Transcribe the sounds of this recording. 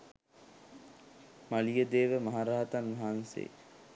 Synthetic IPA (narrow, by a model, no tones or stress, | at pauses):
malijəd̪eːʋəmaɦaɾaɦat̪anʋɐɦansḛː